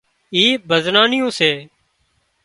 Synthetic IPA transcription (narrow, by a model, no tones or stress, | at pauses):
iːbʱəznaːnɪjõːseː